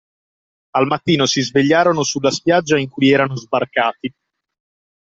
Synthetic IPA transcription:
almat̪ːiːnosizveʎːaːɾonosulːaspjad͡ʒːaiŋkujɛːɾanozbarkaːt̪i

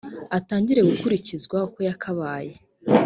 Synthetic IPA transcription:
ataːɲɟiɾe̞ɡukuɾicizɡwaoko̞jakʰaβaːje̞

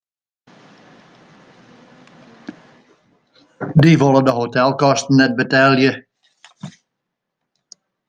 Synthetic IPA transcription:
diʋolˠədəɦotɛlˠkɔstən̩ːɛt̚bətɛlˠjə

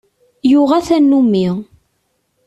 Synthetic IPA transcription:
jʊʁæθænːumːi

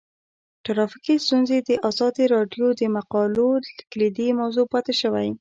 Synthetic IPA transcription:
ʈaɾɑfikist̪unzed̪əʔazɑd̪iɾɑɖjod̪əmaqɑloklid̪imawzopɑt̪ɪʃəwaj

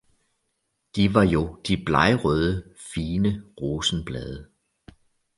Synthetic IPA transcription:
d̥iʋɑ̈jo̝d̥ib̥lɑɪʁœð̞ˠəfiːnəʁoːsn̩b̥lɛːðˠə

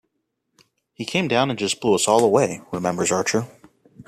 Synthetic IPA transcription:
hikʰẽɪ̃mdãʊ̃nɨ̃nd͡ʒʌspʰʊlˠəsɔlˠəweɪɹɪmɛ̃mbə˞zɑɹt͡ʃə˞

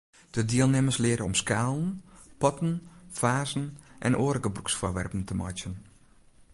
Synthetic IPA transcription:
d̥ədiəlˠnɪməslɪəɾəɔmskaːlˠən̩pɔtən̩faːzən̩ʔɛ̰nʔoːɾəkəbruksfoːrʋɛ̰rpən̩təmɔ̰t͡ʃjən

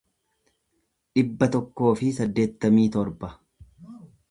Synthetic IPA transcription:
ᶑɪbːɐt̪ɔkːo̞ːfɪsɐd̪ːe̞ːt̪ːɐmiːt̪ɔɾbɐ

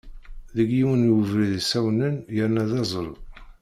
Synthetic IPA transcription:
ðəɡjiwənəvɾiðsæwnənjəɾnæðɑzˤəl

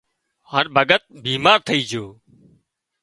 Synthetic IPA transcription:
həɾbʱəɠət̪̚biːmaːɾt̪ʰəiːd͡ʒoː

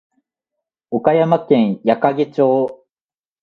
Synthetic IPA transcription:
okajamakẽ̞ɰ̃jakaɡet͡ɕoː

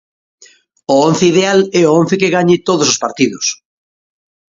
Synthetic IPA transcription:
oonθeiðealɛoon̟θekeɣaɲɪt̪oðosospaɾt̪iðʊs

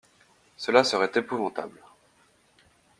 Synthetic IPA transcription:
səlasəʁɛt̪epuvɑ̃t̪a̰bl

